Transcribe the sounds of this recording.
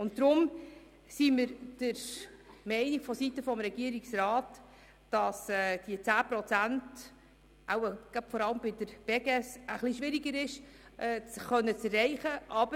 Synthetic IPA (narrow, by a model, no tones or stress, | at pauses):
ʊnt̚d̪ɾʊm | siməɾd̥əɾmɛɪnikfɔsitəfɔmɾɛɡiəɾiksɾɑːt | d̥ɑsɛd̥iət͡sæːpɾɔt͡sænt | ʔawəɡ̥ab̥fɔɾɑləmbɪdəɾb̥ɛɡɛsəχliʃʋɪɾiɡəɾɪʃ | ʔɛt͡sχœnːət͡sɛrːɛɪχəʔɑb̥ə